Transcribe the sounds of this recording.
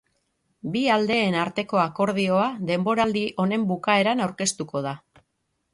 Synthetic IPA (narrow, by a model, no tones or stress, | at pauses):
biald̪e̞ːnaɾt̪e̞ko̞ako̞ɾð̞io̞aðe̞mbo̞ɾald̪iʔo̞ne̞mbukae̞ɾanawɾke̞st̪uko̞ð̞a